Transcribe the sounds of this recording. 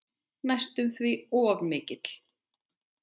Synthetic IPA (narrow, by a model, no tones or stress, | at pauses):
najst̪ʏmθviɔːvmɪːcɪt̪l̥